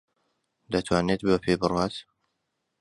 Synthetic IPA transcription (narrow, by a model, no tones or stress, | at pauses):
d̪ɐt̪ʰwaːneːt̪̚bəpʰeːbɨrwaːt̪